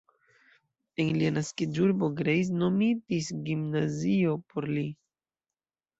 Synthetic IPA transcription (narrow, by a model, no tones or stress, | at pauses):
e̞nlianaskid͡ʒuɾbo̞ɡɾejs̬no̞midisɡimnazio̞pʰoɾli